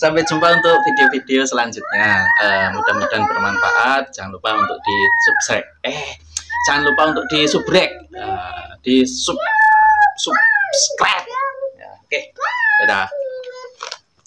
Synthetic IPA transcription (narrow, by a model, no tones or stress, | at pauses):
sampɛ̥d͡ʒ̥umpaunt̪ʊk̚fideofid̥eosəlaɲd͡ʒʊt̪̚ɲaəmud̥amud̥anbərmanfa̰ʔat̪̚d͡ʒ̥aŋanlupaunt̪ʊk̚d̥isup̚sɛk̚ɛh | d͡ʒ̥aŋanlupaunt̪ʊk̚d̥isub̥ɾɛk̚əd̥isup̚supsklɛt̚ja̰keeta